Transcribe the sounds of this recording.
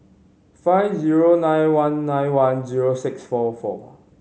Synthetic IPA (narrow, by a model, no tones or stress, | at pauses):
faɪvziɹonãjnwãnːãjnwãnziɹosɪksfɔfɔ̰